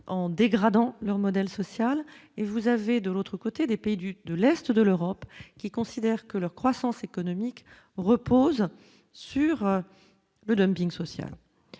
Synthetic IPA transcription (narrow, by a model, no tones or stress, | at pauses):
ɑ̃d̪eɡʁad̪ɑ̃lœʁmɔd̪ɛlsɔsjalevuzaved̪əlot̪χəkot̪ed̪epeid̪yd̪əlɛst̪d̪əløʁɔpkʲikɔ̃sid̪ɛʁkəlœʁkχwasɑ̃sekɔnɔmik | ʁəpoz | syʁ | ləd̪ɔmpĩŋɡsɔsja̰l